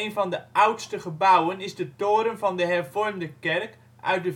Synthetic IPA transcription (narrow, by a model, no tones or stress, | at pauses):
ejnvɑndəʔʌwtstəχəbawənɪzdətoːɾəmvɑndəɦɛrvɔrmdəkɛrk | ʔœ̰ɥt̚də